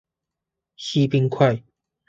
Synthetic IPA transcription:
ɕi˦pi˦ŋkʰwa˥˨ɪ

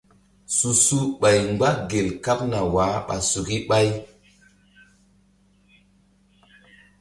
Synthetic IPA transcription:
su˨su˦ɓa˨jŋɡ͡ba˦ɡe˨lka˦p̚na˨wa˨˦ɓa̰˨su˨ki˦ɓa˦j

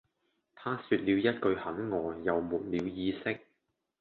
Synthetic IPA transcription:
t̪ʰaː˥syː˧t̚liː˨˧wjɐ˥t̚kɵ˧ɥhɐ˨˥nŋɔː˨˧jɐ˨wmuː˨t̚liː˨˧wjiː˧sɪ˥k̚

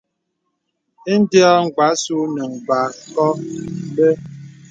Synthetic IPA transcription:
e˦n̩˦dja˦ŋ̩˨k͡pa˨˦su˦nə˨ŋ̩˨ba˨˦kɔ˦be˦

